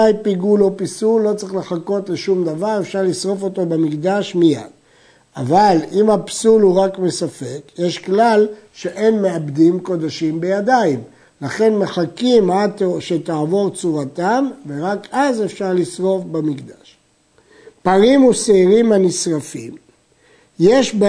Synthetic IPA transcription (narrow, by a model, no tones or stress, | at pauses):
ajpiɡulo̞pisulːo̞t͡sʁiχle̞χako̞t̪leʃumd̪avaʁe̞fʃaʁlisʁo̞fo̞t̪o̞bemikd̪aʃmija̰d̥ | a̰valimhapsulhuʁakme̞safe̞kjeʃklalʃe̞ʔe̞nme̞abd̪imko̞d̪aʃimbejad̪aim | laχe̞nmeχakimadt̪ʃet̪aːvo̞ʁt͡suʁat̪amve̞ʁakazefʃaʁlisʁo̞fbamikd̪aʃ | paʁimuseiʁimhanisʁafḭm | je̞ʃb